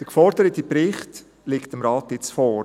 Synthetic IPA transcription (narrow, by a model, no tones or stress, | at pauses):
d̥əɾkfɔɾd̥əɾətipɾɪχt | lɪktəmɾɑːtɪt͡sfɔːɾ